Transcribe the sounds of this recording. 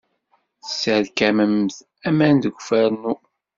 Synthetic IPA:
θəsəɾkæməmθ | æmænd̪əɡʷfæɾnu

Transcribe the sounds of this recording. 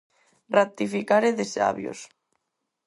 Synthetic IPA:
rat̪ifikaɾeðesa̰βjo̰s

